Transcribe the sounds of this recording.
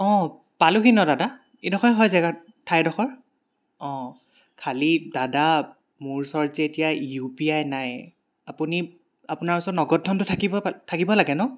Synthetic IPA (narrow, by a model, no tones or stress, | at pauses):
ɔ̃ | palʊxinɔdada | edɔxɔjɦɔjzɛɡa | tʰːajdɔxɔɹ | ɔ̃ | kʰalidada | muɹsɔɹzɛːtijaupiajnaj | apuni | apunaɹpɔsɔnɔɡɔt̚ʰːɔntʊtʰakibɔtʰakibɔlaɡɛnɔ